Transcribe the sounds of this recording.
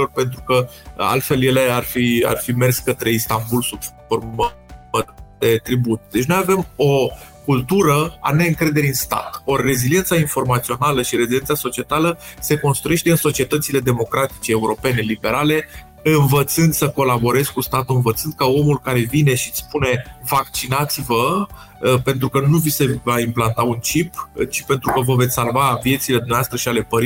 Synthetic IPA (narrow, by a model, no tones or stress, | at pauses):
o̞rpe̞nt̪̬ɾukəa̰lt̪fe̞lje̞le̞arfia̰rfime̞rsʲkət̪ɾe̞ist̪ambulsubf | orm | d̪e̞t̪ɾibut̪d̪et͡ʃno̞jave̞mo̞ | kult̪uɾəa̰ne̞ɨŋkɾe̞d̪e̞ɾiɨnst̪a̰t̪ore̞zilie̞nsainfo̞rmat̪sio̞naləʃiɾe̞zile̞nt̪saso̞t͡ʃie̞t̪aləse̞ko̞nst̪ɾuje̞ʃt̪e̞ɨnso̞t͡ʃie̞t̪ət̪sile̞d̪e̞mo̞kɾat̪i̥t͡ʃeːuɾo̞pe̞ne̞libe̞ɾale̞ | ɨnvət̪sɨnd̪səko̞labo̞ɾe̞zskust̪at̪uɨnvət̪sɨnd̪̚kao̞mulkaɾe̞vine̞ʃit̪sspune̞vak̚t͡ʃinat̪sivə | pe̞nt̪ɾukənuvisevaimplant̪aunt͡ʃipt͡ʃi̥pe̞nt̪ɾukəvəve̞t̪sʲsalvavije̞t̪sile̞d̪umneavast̪ɾəʃiale̞pəɾi